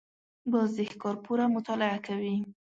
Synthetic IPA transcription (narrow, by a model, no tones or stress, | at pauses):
bəzɪxkɑɾpuɾamʊt̪ɑlɪakawi